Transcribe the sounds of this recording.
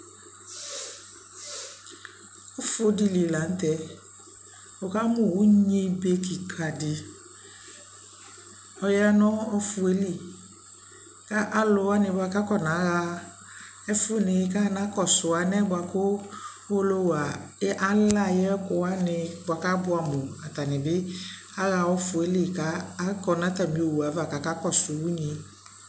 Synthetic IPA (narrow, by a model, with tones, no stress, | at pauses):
ʊ˦fʊ˦di˨li˨la˨˦n̩˦t̪ɛ˨ | o˨ka˦mʊ˦˨wʊ˨˦ɲe˦be˦ki˨kʰa˨dɪ˨ | ɔ˨ja˦nɔ˦ɔ˦fʊ˨e˦li˨ | ka˦ʔa˦lʊ˨wa˦nɪ˨ba˨ka˦kɔ˦nã˨˦ɣa˦ | ɛ˦fʊ˦nɪ˨˦ka˦nã˦kɔ˦˨sʊ˨a˨˦nɛ˦ba˧kʊ˦ | o˦lo˦wa˨˦ʔa˦la˦˨jɛ˦ɛ˦kʊ˨˧a˦nɪ˧bwa˨ka˦bʊ˦a˨mʊ˨a˨ta˨nɪ˨bɪ˦ | a˦ɣa˧wɔ˧fʊ˨e˦li˦˨kaː˦kɔ˨nã˨˦ta˨mĩ˨o˨wu˨a˨˦va˨ka˨ka˦kɔ˦˨sʊ˨wu˦ɲi˨